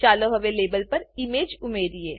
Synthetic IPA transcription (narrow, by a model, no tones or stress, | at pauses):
aːloɦɐʋeleːbəlpɐɾimeːd͡ʒʊmeːɾieː